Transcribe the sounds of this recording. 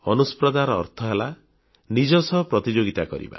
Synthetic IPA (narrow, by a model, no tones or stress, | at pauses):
ɔnuspɾɔd̪aɾɔɔ̰ɾt̪ʰɔɦela | nid͡ʒɔsɔpɾɔt̪id͡ʒoɡit̪akɔ̰ɾḭba̰